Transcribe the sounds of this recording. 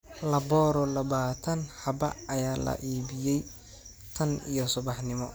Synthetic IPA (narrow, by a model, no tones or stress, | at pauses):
lɐbɔːɾɔlɐβaːt̪ʰɐnħɑbɐ̰ɐjaːlɐ̰ʔiːbɪjɛj | t̪ʰɐnḭjɔsʊbɑħnɪmɔ